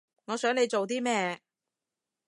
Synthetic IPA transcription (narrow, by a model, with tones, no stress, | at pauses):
ŋɔː˨˧sœː˨˥ŋle˨˧jt͡so˨wt̪̬iː˥mɛː˥˧